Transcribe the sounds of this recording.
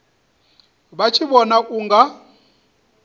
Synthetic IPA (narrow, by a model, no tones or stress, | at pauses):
βat͡ʃʰiβɔnaʔuːŋɡa